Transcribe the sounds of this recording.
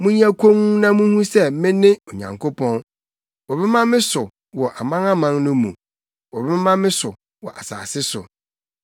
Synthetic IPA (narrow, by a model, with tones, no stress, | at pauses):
mũ˦ɲ˦a˦kʰõ˦nu˦nã˦mũ˦hũ˦sɛ˦mɪ̃˦nɪ̃˦o˨ɲã̰˨ŋkʰo˦pʰɔ̃˦n | wɔ˨bɛ˦mã˦mɪ̃˦sʊ˨ | wɔ˨ʔa˨mã˦ŋa˦mã˦ŋnʊ̃˦mṵ̃˨ | wɔ˨bɛ˦mã˦mɪ̃˦sʊ˨ | wɔ˨ʔa̰˨sa̰ː˨sɪ˦sʊ˨